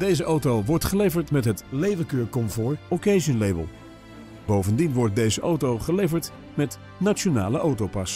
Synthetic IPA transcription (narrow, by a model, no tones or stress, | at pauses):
d̥ejzəʔowtowʋɔɹtχəlejvəɹtmɛtɦətlejvəkøːɹkɔmvʊːɹɔkejʃənlejbə̰lˠ | bowvəndinʋɔɹt̚dejzəʔowtowχəlejvəɹt | mɛt | nat͡ʃona̰ːləʔowtowpɑs